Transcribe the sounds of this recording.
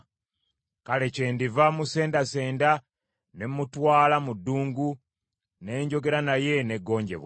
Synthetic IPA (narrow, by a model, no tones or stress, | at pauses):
kale̞ce̞ːndivamuse̞ːndase̞ːnda | ne̞mːutwaːlamudːuːŋɡu | ne̞ːɲɟo̞ɡe̞ɾanaje̞ne̞ɡːo̞ːɲɟe̞̰βwa